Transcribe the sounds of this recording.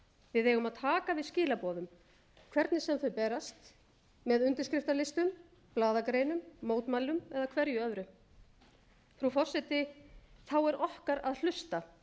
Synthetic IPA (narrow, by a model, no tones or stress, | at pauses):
vɪðeːjɣʏmaðt̪ʰaːkavɪðscɪːlapɔːðʏm | kʰvɛɾt̪nɪsɛmfœpɛːɾast̪ | mɛðʏnt̪ɪɾskɾɪft̪alɪst̪ʏm | plaːðakɾeːjnʏmːoːwt̪malːʏmɛðakʰvɛɾjʏœvɾʏ | fɾufɔr̥sɛt̪ɪθawɛɾʔɔhkaɾaðl̥ʏst̪a